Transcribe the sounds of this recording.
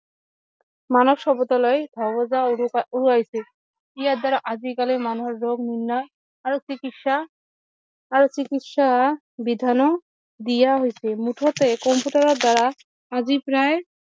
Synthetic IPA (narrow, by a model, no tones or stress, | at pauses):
manobʃɔbɔt̪alɔed̪ʱɔbod͡ʑauɾuajt͡ɕʰe | ijaɾd̪aɾaʔad͡ʑikalemanoɦeɾːoɡninːaː | ɾot͡ɕikit̪ʃa | ɾot͡ɕikit̪ʃa | bid̪ʱano | d̪ijaɦojt͡ɕʰemuʈʰot̪ekɔmpjuʈaɾɔɾd̪aɾa | ad͡ʑipɾae